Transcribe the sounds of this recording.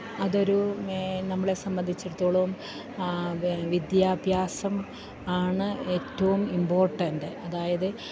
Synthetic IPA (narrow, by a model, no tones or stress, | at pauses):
ɐðo̞ɾunɐmːɐɭe̞sɐmbɐnd̪ʱit͡ɕːeɾut̪ːoːɭɐʋum | ʋid̪jaːbʱjaːsɐm | aːɳɨe̞ːtːɐʋumimbo̞ːrʈːɐndɨɐðaːjɐðɨ